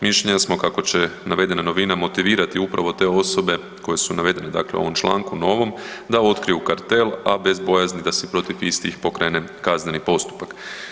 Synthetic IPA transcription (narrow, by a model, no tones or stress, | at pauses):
miʃʎeɲasmo̞kako̞t͡ɕe̞naʋe̞d̪e̞nano̞ʋinamo̞t̪iʋiːɾat̪iupɾaʋo̞t̪e̞o̞so̞be̞ | ko̞je̞sunaʋe̞d̪e̞ne̞d̪a̰klḛuo̞̰ʋo̞mt͡ʃlˠa̰ːŋkuno̞ʋo̞md̪ao̞t̪kɾijukaɾt̪e̞labe̞zbo̞jaznid̪asepɾo̞t̪ifist̪ixpo̞kɾe̞ːne̞kaznenipo̞st̪u̥pak